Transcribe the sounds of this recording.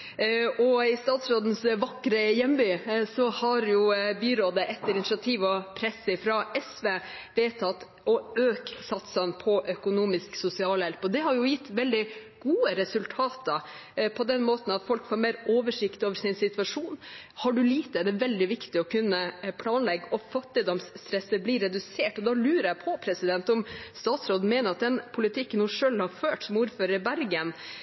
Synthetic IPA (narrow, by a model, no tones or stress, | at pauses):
ɔɪst̪ɑːt̪sɾoːd̪n̩sʋɑkːɾəjɛmbyːsɔhɑɾjʊbyːɾoːd̪əʔɛt̪ːəɾɪnɪʂɑt̪ʰiːʋɔpʰɾɛsːəɪfɾɑɛsʋeːʋeːt̪ʰɑt̪ː | ɔøːksɑt̪sɑnpʰɔʔœkʊnuːmɪsksʊsɪɑːljɛlpɔd̪ɛɦɑɾjʊjɪt̪ːʋɛld̪ɪ | ɡ̥uːəɾɛsʉlt̪ʰɑːt̪ə | pʰɔd̪ɛnmoːt̪n̩ɑt̪fɔlkfoːɾmeːɾoːʋəʂɪkt̪oːʋəɾsɪnsɪt̪ʋɑʂuːnhɑɖʉliːt̪əɛɖɛʋɛld̪ɪʋɪkt̪ɪɔkʰʉnːəpʰlɑːnlɛɡːɔfɑt̪ːɪd̪ɔmsːt̪ɾɛsːəbliɾɛd̪ʉseːʈɔd̪ɑlʉːɾəɾæpʰɔpʰɾɛsɪd̪ɛnt̪ɔmst̪ɑːt̪sɾoːd̪n̩meːnəɾɑt̪̚d̪ɛnpʰʊlɪt̪ʰɪkːənːuːʂøːlhɑɾføːʈsɔmuːɾføːɾəɾəbæɾɡən